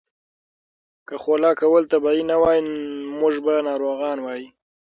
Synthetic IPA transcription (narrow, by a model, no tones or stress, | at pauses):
kəxolɑkawəlt̪abɑinawɑjimʊʒbanɑɾoɣɑnwɑji